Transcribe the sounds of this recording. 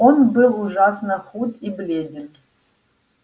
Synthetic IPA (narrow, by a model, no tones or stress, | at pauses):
onbɨlˠuʐɑsnəχut̪iblʲedʲɪn